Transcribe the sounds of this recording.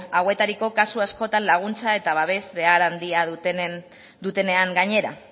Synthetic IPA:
awe̞t̪aɾiko̞kasuasko̞t̪anlaɣ̞unt͡sae̞t̪aβaβe̞zβe̞aɾand̪iað | d̪ut̪e̞ne̞aŋɡaɲe̞ɾa

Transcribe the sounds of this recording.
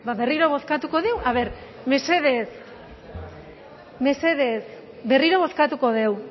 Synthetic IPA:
baβe̞riɾo̞βo̞skat̪uko̞ðe̞waβ̞e̞ɾ | me̞se̞ðe̞s | me̞se̞ðe̞s | be̞riɾo̞βo̞skat̪uko̞ðe̞w

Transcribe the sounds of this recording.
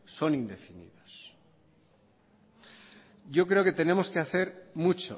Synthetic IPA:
so̞nind̪e̞finḭðos | ʝo̞kɾe̞o̞ke̞t̪e̞nẽ̞mo̞skeaθe̞ɾmut͡ʃo̰

